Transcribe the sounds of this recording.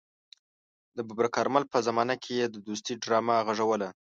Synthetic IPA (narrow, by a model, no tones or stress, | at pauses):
d̪əbabɾakɑɾmalpəzamɑnakʰejed̪əd̪ust̪iɖɾɑmaɣaʐawəla